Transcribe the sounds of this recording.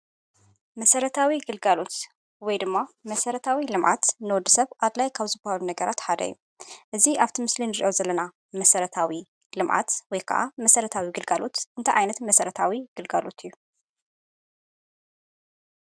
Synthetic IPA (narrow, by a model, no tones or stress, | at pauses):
mɐsɐɾɐt̪ʰawiɡɨlɡalo̞t̪ | wɔjd̪ɨmːamɐsɐɾɐt̪ʰawilɨmʕa̰t̪nɨwɔd̪ːɨsɐβʔaβlajkʰaβzɨbɐhalunɐɡɐɾat̪ħad̪ɐ̰jːu | ʔɨziaβt̪ʰimɨslinɨɾiʔo̞zɐlːɐna | mɐsɐɾɐt̪ʰawi | lɨmʕa̰t̪wɔjkʰɐ̰ʔa̰mɐsɐɾɐt̪ʰawiɡɨlɡalo̞t̪ʔɨnt̪ʰɐʕajnɐt̪mɐsɐɾɐt̪ʰawiɡ̥ɨlɡalo̞̰t̪ʰɨjːu